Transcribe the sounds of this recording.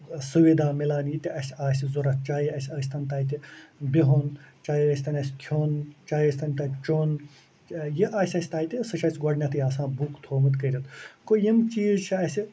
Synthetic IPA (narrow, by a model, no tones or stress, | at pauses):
suʋid̪aːmilaːnjit̪iʔɐsʲaːsʲizuɾɐt̪̚t͡ʃaːjiɐsʲɐːsʲt̪ɐnt̪aːjit̪ibiɦont͡ʃaːjiɐsʲt̪ɐnʲɐsʲt̪ʰjoːnt͡ʃaːjɐsʲt̪ɐnʲt̪ɐt͡ʃoːn | jiʔaːsʲɐsʲi̥t̪aːjt̪ʲisɐʃʰɐsʲɡɔɽnʲɐt̪ɐjaːsãːbukt̪ʰoːmɐt̪kəɾʲɐt̪kojimt͡ʃiːzt͡ʃʰiɐsi